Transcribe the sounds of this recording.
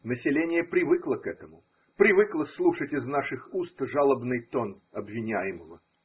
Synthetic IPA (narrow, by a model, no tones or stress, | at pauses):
nəsʲɪlʲenʲɪjəpɾʲɪvɨklˠəkɛt̪əmʊ | pɾʲɪvɨklˠəslˠuʂətʲɪznaʂɨxust̪ʐalˠəbnɨjt̪on | ɐbvʲɪnʲæjɪməvə̰